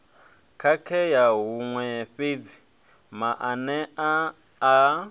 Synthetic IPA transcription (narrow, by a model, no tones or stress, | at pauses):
kʰakʰɛjaɦuŋwɛɸed͡zi̥ | maʔanɛaː